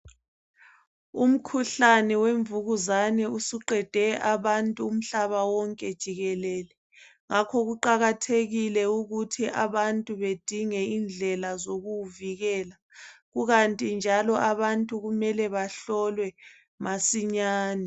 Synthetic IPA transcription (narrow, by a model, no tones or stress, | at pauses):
um̩kʰuɬanɛweɱvuɣuzanɛusiǃɛd̥ʱɛʔaβantʼuːm̩ɬaβawɔŋkʼɛd̥ʒ̥ʱiɣɛlɛːlɛ | ŋakʰɔɣuǃaɣatʰeɣilɛuɣutʰiʔa̰βantʼuβed̥ʱiŋɛind͡ɮʱɛlazoɣuviɣɛːla | ɣuɣantʼind͡ʒʱalɔʔaβantʼuɣumɛlɛβaɬɔlwɛ | masiɲaːnɛ